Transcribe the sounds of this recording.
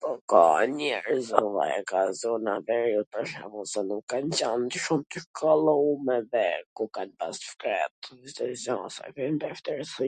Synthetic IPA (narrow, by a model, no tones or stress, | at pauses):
pɔka̰ɲɛɾzɔva̰ɛ̰kazɔnavɛɾjut̪əʃa̰mɔsanukːant͡ɕand̪əʃumt̪əʃkʰɔlˠaumɛvɛkukanpasfkɾɛt̪zit̪ɛzɔsa̰vɛnd̪ɛft̪ɛɾsi